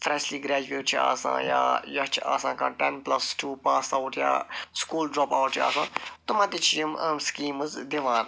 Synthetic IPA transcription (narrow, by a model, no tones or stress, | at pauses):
fɾɛʃliːɡɾɛːd͡ʒueːʈt͡ʃʰia̰ːsã̰ːja̰ːjɐt͡ʃʰa̰ːsãːkãːʈɛnplɐsʈuːpaːsawʈja̰ːskuːlɖɾɔːpaːwʈt͡ʃʰa̰ːsã̰ːt̪ʊmaːt̪it͡ʃʰijəməskiːməzd̪iʋãːn